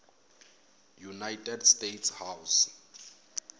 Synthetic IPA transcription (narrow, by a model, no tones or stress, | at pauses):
junajtʰʼɛdstetshaws